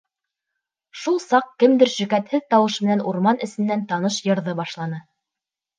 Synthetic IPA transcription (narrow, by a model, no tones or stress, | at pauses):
ʃulˠsɑqkɘmd̪ɘɾʃɵ̆kæt̪hɘðt̪ɑwɤʃmɘ̆nænuɾmɑnɘ̆sɘ̆nːænt̪ɑnɤʃjɤ̆ɾðɤbɑʃlˠɑnɤ